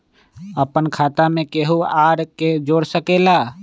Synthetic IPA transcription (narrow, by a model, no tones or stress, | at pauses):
əpənkʰaːt̪amẽkeɦuaːɾked͡ʒoːɽsəkela